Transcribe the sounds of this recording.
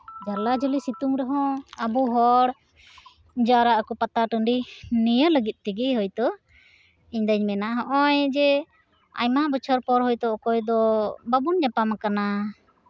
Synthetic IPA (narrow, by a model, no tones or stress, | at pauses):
d͡ʒaɾlad͡ʒɔlisit̪uŋɾɛɦɔ̃abuɦɔɽ | d͡ʒaɾaʔkupat̪aʈəɳɖinijələɡit̪̚ˀt̪iɡiɦɔjt̪ɔ | iɲd̪əɲmɛnaɦɔʔɔjd͡ʒɛ | a̰ɲmaʔbɔt͡ʃʰəɾpɔɾɦɔjt̪ɔɔkɔjd̪ɔbabund͡ʒapamakana